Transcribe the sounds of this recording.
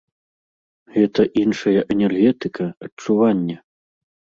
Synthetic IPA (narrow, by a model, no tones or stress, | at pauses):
ɣɛt̪ɐʔinʂɐjɐʔɛnʲɛrɣɛt̪ɨkʰɐɐt͡ʂuvanʲːɐ